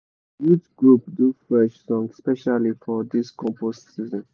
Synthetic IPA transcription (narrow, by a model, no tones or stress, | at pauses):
wit͡ʃɡɹupduflɛʃsɔ̃ŋɡspɛʃalifɔd̪iskɔ̃mpostsizə̃n